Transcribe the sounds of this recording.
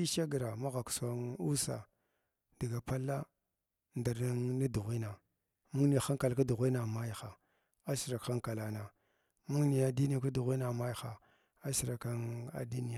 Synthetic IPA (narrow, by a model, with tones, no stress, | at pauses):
i˦ʃa˦ɡa˨ɾa˨ma˦ɣa˨ksa˨nu˦sa̰˨ | da˨ɡa˨pa˦lːa˦ | nda˨ɾna˦ŋna˦du˨ɣi˦na˨ | mu˦ŋni˨xa˦ŋka˨lka˦du˨ɣʷi˦na˨ma˦jxa˨ | a˦si˨ɾa˨kxa˦ŋka˨la˨na˨ | mu˦ni˨a˨di˦ni˦a˨ka˦du˨ɣi˦na˨ma˦jxa˨ | a˦si˨ɾa˨ka˦na̰˨du˦ni˦ja˨